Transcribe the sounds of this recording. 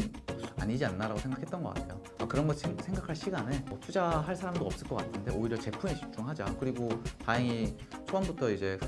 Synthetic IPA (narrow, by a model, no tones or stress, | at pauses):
a̰ɲid͡ʑianːaɾaɡosʰe̞ŋɡakʰet͈̚ʌnɡʌk͈a̰tʰe̞jo | akɯɾʌnɡʌsʰe̞ŋɡakʰaɭɕ͈ʰiɡanemʌtʰud͡ʑaɦaɭsʰaɾamdoʌps͈ɯɭk͈ʌk͈atʰɯnde̞oiɾjʌt͡ɕe̞pʰumeɕʰi̥t͡ɕʰoŋɦad͡ʑakɯɾiɡotajeŋi | t͡ɕʰoʌnbutʰʌid͡ʑe̞